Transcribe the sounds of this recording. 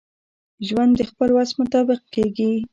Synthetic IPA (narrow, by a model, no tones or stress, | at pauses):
ʒwand̪d̪əxpəlwasmʊt̪ɑbɪq̚keɡi